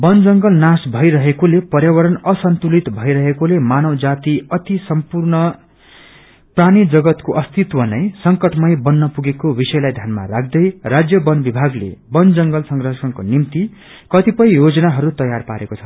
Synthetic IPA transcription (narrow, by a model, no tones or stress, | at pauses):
bʌnd͡zʌŋɡʌlnasbʱʌjɾʌɦekolepʌrjawʌɾʌnʌsʌnt̪ulit̪bʱʌiɾʌɦekolemanʌwd͡zat̪iʌt̪isʌmpurnʌ | pranid͡zʌɡʌt̪koʔʌst̪it̪wʌnʌjsʌŋkʌʈmʌjbʌnːʌpuɡekobisʌjlajd̪ʱjanma̰rakʰd̪ʌjrad͡zjʌbʌnbibʱaɡlḛbʌnd͡zʌŋɡʌlsʌŋɡrʌsʌnkonimt̪i | kʌt̪ipʌjjod͡zʌnaɦʌɾut̪ʌjarpaɾekot͡sʰʌ̥